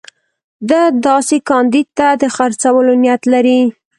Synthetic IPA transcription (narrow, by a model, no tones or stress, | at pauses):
d̪əd̪ɑsekɑnd̪id̪̚t̪ad̪əxaɾt͡sawəlonjat̪laɾi